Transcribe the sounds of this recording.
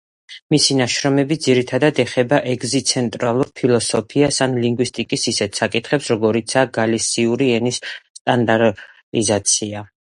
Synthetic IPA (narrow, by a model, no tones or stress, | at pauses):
misinaʃɾɔmɛbid̪ziɾit̪ʰad̪ad̪ɛχɛbaʔɛɡzit̪sʰɛnt̪ʼɾalˠuɾpʰilˠɔsɔpʰiasanliŋɡwist̪ʼikʼisisɛt̪ʰsakʼit̪ʰχɛpsɾɔɡɔɾit̪sʰaːɡalisiuɾiɛnisːt̪ʼand̪aɾʼ | izat̪sʰia